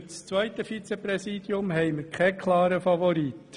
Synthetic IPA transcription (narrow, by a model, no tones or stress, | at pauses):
t͡st͡sʋœɪt̪əfit͡sepɾɛsiːd̪jʊmɦɛɪməɾkʰɛkʰlɑːɾəfɑvɔɾiːt̪